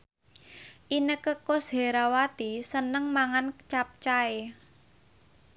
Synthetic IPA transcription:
ʔinəkəkosɦeɾawat̪isənəŋmaŋant͡ʃap̚t͡ʃae

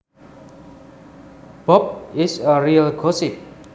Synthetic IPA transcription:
b̥ɔp̚ɪsəɾiəlɡosɪp̚

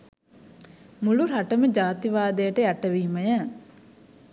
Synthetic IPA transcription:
muɭuɾaʈəməd͡ʒaːt̪iʋaːd̪ejəʈəjaʈəʋiːməjə

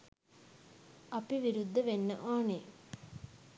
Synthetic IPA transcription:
ɐpiʋiɾud̪ːəʋenːəʔaːne

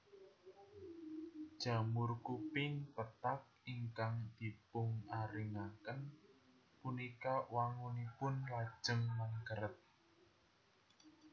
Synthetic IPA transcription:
d̥ʒ̥a̤mʊrkupɪŋpət̪ak̚iŋkaŋd̪̥i̤pʊŋaɾiŋakən | punikawaŋunipʊnlad̥ʒ̥əŋmaŋkəɾət̪̚

